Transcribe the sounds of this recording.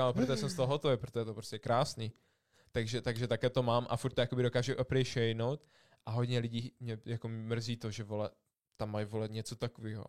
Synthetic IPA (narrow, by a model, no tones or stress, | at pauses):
aapɾot̪oɛsɛmst̪oɦoɦot̪ovejpɾot̪oʒɛt̪opɾoscʲɛkɾaːsni | t̪aɡʒɛt̪aɡʒɛt̪akɛːt̪o̞maːmʔa̰fuɾt̪ːojakobɪdo̞kaːʒuʔopɾɛjʃɛjnowt̪ | ʔaɦo̞d̪ɲɛlɪɟiːmɲɛjakommr̩ziːt̪oʒɛvolɛ | t̪amːajvolɛɲɛt͡so̞t̪akoviːɦo̰